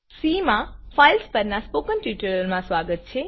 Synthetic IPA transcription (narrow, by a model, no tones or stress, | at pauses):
simãfʰajlspəɾnaspoːkənʈjuːʈəɾəlmãsʋaːɡət̪̚t͡ʃʰe